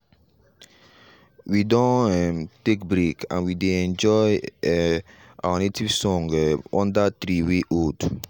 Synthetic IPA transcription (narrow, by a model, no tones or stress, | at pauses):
widɔ̃nɛmtek̚bɾekã̰nwideɛ̃nd͡ʒɔj | a̰wanetivsɔ̃ŋɡɔ̰̃ndat̪ɾiweʔod